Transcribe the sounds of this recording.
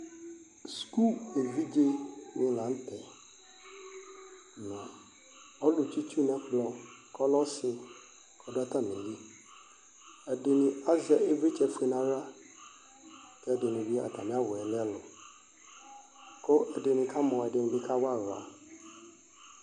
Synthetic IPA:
sku˦˨e˨vi˦d͡ʒe˦nɪ̃˦lã˨˦n̩˦tʰɛ˨ | nã˨ | ɔ˦lʊ˨tʰi˦tʰu˦nɛ̃˦kʰlɔ̃˨kʰɔ˦lɔ˦sɪ˦ | kʰɔ˨da˦tʰa˦m˨ẽ˨ji˦ | ɛ˨dɪ˨nɪ̃˨a˦zɛ˨ʔe˦ve˦t͡ʃʰɛ˨fe˨nã˨ɾa˦ | kʰɛ˦˨dɪ˨nɪ̃˨bi˦a̰˨tʰa˨mɪ̃˦a˦wʊ˨ɛ˨lɪ̃˦a˦lʊ˨ | kʰʊ˦ʔɛ˨dɪ˨nɪ̃˨kʰa˦mɔ̃˨ɛ˨dɪ˨nɪ̃˨bɪ˦kʰa˦wa˦˨ɾa̰˨

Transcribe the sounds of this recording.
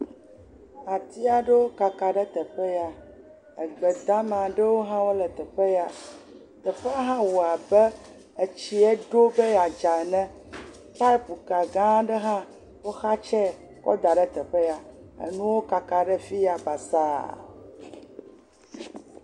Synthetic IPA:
a˨t̪i˦a˨ɖə˦wo˦ka˨ka˨ɖə˦t̪ə˨ɸe˦ja˦ | ə˨ɡ͡bə˨d̪a˦mã˨ɖə˦wo˦ɦã˦wo˦lə˨t̪ə˨ɸə˦ja˨ | t̪ə˨ɸe˦a˦ɦã˦wo˨a˨bə˦ | e˨t͡ɕi˦ɛ˦ɖo˦bə˦ja˨d͡ʒa˨nɛ̃˦ | ta˦pu˨ka˨ɡã˦ɖə˦ɦã˦ | wo˦xa˦t͡ʃɛ˦ | kɔ̰˦d̪a˨ɖə˦t̪ə˨ɸə˦ja˨ə̰˨nũ˦wo˦ka˨ka˨ɖə˦fi˦ja˨ba˨sa˦

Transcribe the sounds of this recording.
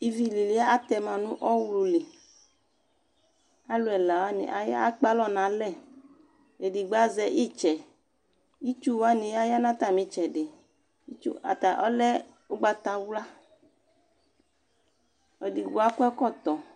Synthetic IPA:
i˨vi˨li˨li˨˦a˦a˦t̪ɛ˨mã˨nũ˦ʔɔ˦wlu˨li˨ | a˦lo˨ɛ˨la˨wa˦nḭ˨ʔa˨ja̰˦a˦k͡pa˦lɔ˦nã˨lɛ˦˨ | e˨di˨ɡ͡ba˦zɛ˨ʔi˦˨t͡ʃɛ˨ | i˦t͡ʃu˦wa˦nĩ˨ja˦ja˦nã˦t̪a˨mĩ˨t͡ʃɛ˨ɖe˨ | i˦t͡ʃṵ˦a̰˨t̪a˨ʔɔ˦lɛ˦ | o˦ɡ͡ba˦t̪a˨wla˦ | ɔ˨di˨ɡo˨˦a˦kʷɛ˦kɔ˦˨t̪ɔ˨

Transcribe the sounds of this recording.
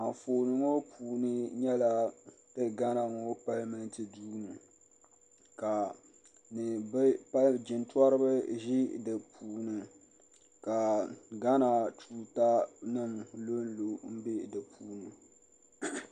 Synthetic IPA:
a˨foː˨nɨ˨ŋo˦pʰuː˨nɨ˦ɲɛ˦la˦tɨ˦ɡa˦na˨ŋɔ˦pa˦lmɨ˦ntɨ˨duː˦nɨ˨ | ka˨ | nɨ˨bɨ˦pa˦ld͡ʒɪ˨ntwɔ˦ɾɨ˦bɨ˦ʒɪ˦dɨ˨pʰuː˨nɨ˨ | ka˨ɡa˦na˨tʰuː˦ta˦nɨ˦mlo˦n˦lo˨m̩˦be˦dɨ˨pʰuː˦nɨ˨

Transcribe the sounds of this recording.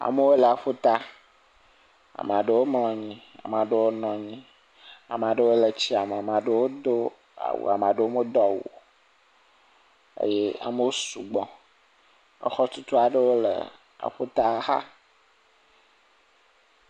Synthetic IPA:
a̰˨mə˦wo˦lə˨a˨ɸo˦t̪a˦ | a̰˨m˨a˨ɖə˦wo˦ml̃ɔ̃˨ɲĩ˦a̰˨m˨ã˨ɖə˦wo˦nɔ̃˨ɲĩ˦ | a̰˨m˨a˨ɖə˦wo˦lə˨t͡ɕi˦a˨m˨a˨m˨ã˨ɖə˦wo˦d̪o˦ | a̰˨wo̰˨a˨m˨ã˨ɖe˦wo˦mo˦d̪ɔ˦˨wo̰˨ | ḛ˦je˦a̰˨mə˦wo˦su˨ɡ͡bɔ̃˨ | ə̰˦xɔ˦t̪u˦t̪u˦a˨ɖə˦wo˦lə̰˨ | a̰˨ɸo˦t̪a˦xa̰˦

